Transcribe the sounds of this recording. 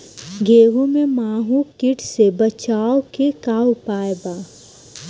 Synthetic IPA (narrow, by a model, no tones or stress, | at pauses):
ɡeːʋõmẽmaːɦũkɪʈʰsebɐt͡ʃaːokekaːwpaːebaː